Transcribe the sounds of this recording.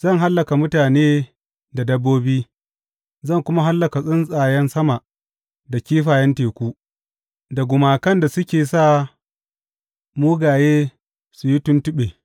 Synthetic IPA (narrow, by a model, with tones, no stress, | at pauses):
zɐ˦˨ŋɦa˦lːɐ˨ka˨mʊ˦taː˨neː˦ | da˨dɐ˦bːoː˦biː˦ | zɐ˦˨ŋkʷʊ˦ma˦ɦa˦lːɐ˨ka˨sʼɪ˦nsʼaː˨jɛ˦nsɐ˦ma˨ | da˨kʲiː˦ɸaː˨jɛ˦nteː˨kʷuː˦ | da˨ɡʷʊ˨maː˨kɐ˦nda˨sʊ˦kʲeː˨sa˦˨ | muː˦ɡaː˨jeː˦ | su˨ji˦tʊ˦ntʊ˦ɓeː˨